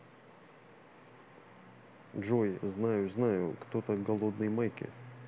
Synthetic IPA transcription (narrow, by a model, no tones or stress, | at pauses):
ʐojznajʊznajʊ̰kt̪ot̪əɡɐlˠod̪nɨjmajkʲɪ̰